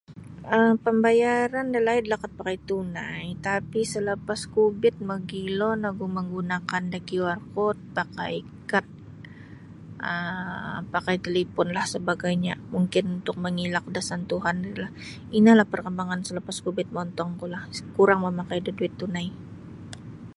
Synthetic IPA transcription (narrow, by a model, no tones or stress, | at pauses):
ʔəmpəmbajaɾandəlaidlakat̪̚pakajt̪unajt̪apisələpaskubɪt̪̚məɡilɔnaɡuməŋɡunakandaɡiwarkɔt̪̚paka̰j | kat̪̚ | ʔə | pakajt̪əlipʊnlahsəbaɡajɲamuŋkɪnunt̪ʊk̚məŋilak̚dasant̪uɦandarilah | inalahpərkəmbaŋansələpaskubɪt̪̚mɔnt̪ɔŋkulahkuɾaŋməmakajdəduɪt̪ːunaj